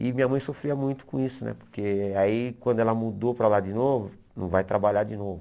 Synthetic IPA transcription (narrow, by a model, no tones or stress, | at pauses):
ɪmĩɲɐmɐ̃j̃sofɾiɐmũj̃t̪ʊ̥kõisʊnɛ̰po̥ɾkeaikwɐ̃d̪ʊɛlɐmud̪opɾɐlad͡ʒɪnovʊ | nɐ̰̃w̃vajt̪ɾabaʎaɾd͡ʒinovʊ